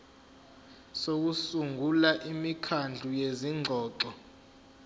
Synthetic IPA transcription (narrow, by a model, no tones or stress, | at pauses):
sok̬usuŋɡʱulaʔimikʰand͡ɮʱujeziŋʱɔːǁɔ